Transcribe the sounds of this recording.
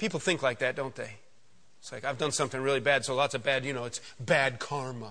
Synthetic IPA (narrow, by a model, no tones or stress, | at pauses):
pʰipl̩ˠθɪ̃ŋklaɪk̚ðɨt̚d̥õʊ̃nðeɪ | ɪtslaɪkaɪvdʌ̃nsʌ̃mθɪ̃ŋɹɪlˠibæd̥soʊlætsɨbædjɨñoʊɨtsb̥æd̚kʰɑɹmə